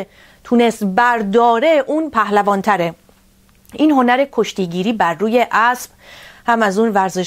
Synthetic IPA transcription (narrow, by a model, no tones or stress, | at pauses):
t̪ʰunest̪bæɾd̪ɒːɾe̞ʔuːnpʰæhlævɒːnt̪ʰæɾe | ʔiːnɦo̞næɾe̞kʰo̞ʃt̪iːɡiːɾiːbæɾːuːje̞ʔæsb̚hæmæzuːnvæɾzeʃ